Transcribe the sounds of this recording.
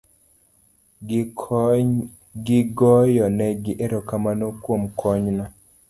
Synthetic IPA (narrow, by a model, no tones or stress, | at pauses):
ɡɪɡɔjɔnɛɡɪʔeɾɔkamanokwomkʰɔɲna